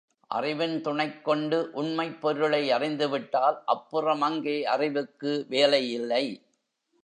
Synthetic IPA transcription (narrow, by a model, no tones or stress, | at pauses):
ʔɐ̰rɪʋɪnt̪ʊɳɐɪkːɔɳɖɯʔʊɳmɐɪpːɔɾɯɭɐɪɐrɪnd̪ɯʋɪʈːaːlʔɐpːɯrɐmɐŋɡeːɐrɪʋɯkːɯʋeːlɐjɪlːɐɪ